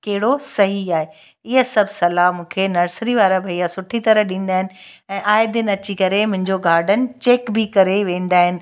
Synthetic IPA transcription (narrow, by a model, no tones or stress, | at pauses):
kɐɦɪɽosɐɦiaːɦe | ɪɦəsɐbʱsɐlamũːkʰenɐɾsɾiʋaːɾabʱɐiasʊʈʰit̪ɐɾəɦɗĩːn̆d̪aːɦɪnɪ̆ɛ̃ːʔaːɪd̪ɪnɐt͡ɕikɐɾemʊ̃ɦɪ̃ɲd͡ʑoɡaːɾɖənɪ̆t͡ɕeːkbɪkɐɾeʋẽːn̆d̪aːɦɪnɪ̆